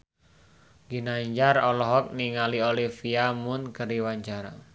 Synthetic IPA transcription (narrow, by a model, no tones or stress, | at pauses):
ɡinaɲd͡ʒarɔlɔɦɔk̚niŋaliolifiamʊnkəɾiwaɲd͡ʒaɾa̰